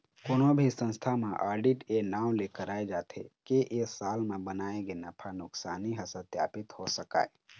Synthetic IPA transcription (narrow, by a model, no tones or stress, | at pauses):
koːnobʱisə̃nst̪ʰamãʔa̰ːɾɖiʈenaːwlekəɾaːed͡ʒaːt̪ʰḛkeʔesaːlmẽbənaːeɡenəpʰanʊksaːniɦəsət̪ja̰ːpɪt̪hosəka̰ːe